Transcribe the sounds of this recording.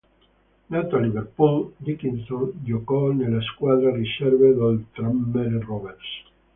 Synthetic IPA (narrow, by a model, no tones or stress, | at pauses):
nat̪aliβeɾpuld̪ikinsõnd͡ʒokonelaeskwaðɾariʃeɾβeðelt̪ɾamːeɾroβeɾs